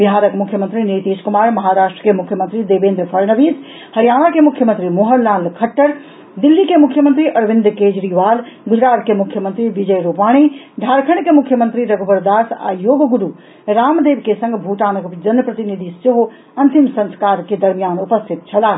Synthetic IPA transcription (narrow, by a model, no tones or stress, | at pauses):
biɦaːɾəkmukʰːjəmənt̪ɾinit̪iskumaːɾmɐɦaɾaːʃʈɾəkemukʰjəmənt̪ɾid̪ebẽːnd̪ɾpʰəɾnəʋiːs | hɐɾijanakemukʰjəmənt̪ɾimoɦənlaːlkʰəʈːəɾ | d̪ilːikemukʰːjəmənt̪ɾiʔɐɾʋĩnd̪ɾked͡ʒɾiʋalɡud͡ʒɾaːt̪kemukʰːjəmənt̪ɾiʋid͡ʒəjɾupaːɽ̃i | d̪ʱaɾkʰənkemukʰːjəmənt̪ɾiɾəɡʱobəɾd̪aːsa̰joɡɡuɾu | ɾamd̪ebkesə̃ŋɡbʱuʈaːnəkd͡ʒɐnəpɾət̪inid̪ʱiseɦo | ɐnt̪imsə̃nskaɾked̪əɾmijanupəst̪ʰit̪̚t͡ʃʰɐlaː